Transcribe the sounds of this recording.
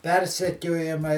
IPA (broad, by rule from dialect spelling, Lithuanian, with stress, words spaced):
ˈpʲɛrʲsʲɛkʲoːjɛmɐɪ